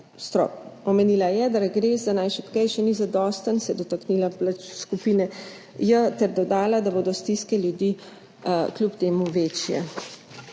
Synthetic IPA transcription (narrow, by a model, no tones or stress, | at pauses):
st̪ɾɔ̰ɔmeniːlajɛd̪aɾɡɾeːzd̪anajʃɛt̪kɛjʃɛnizad̪ɔst̪ənsɛjɛd̪ɔt̪aknilaplat͡ʃskupiːnɛ | jət̪ɛɾd̪ɔd̪aːlad̪aboːd̪ɔst̪iskɛljud̪iː | klʲupt̪eːmuʋeːt͡ʃjɛ̰